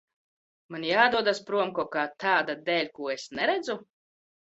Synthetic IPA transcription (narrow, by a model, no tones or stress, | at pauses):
manʲjaːd̪uɔd̪aspɾuɔmkɔɔkaːt̪ʰaːd̪ad̪ɛːlʲkuɔesnɛɾɛd̪zu